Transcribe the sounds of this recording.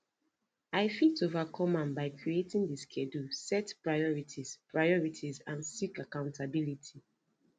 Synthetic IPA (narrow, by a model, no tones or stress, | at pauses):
aɪfitovakʰɔmãnbaɪkʰɹietĩŋdiskʰɛdusɛtpɹajɔɹitʰiz̥pɹaɪɔɹitʰizãnsikakãʊ̃ntʰabilitʰi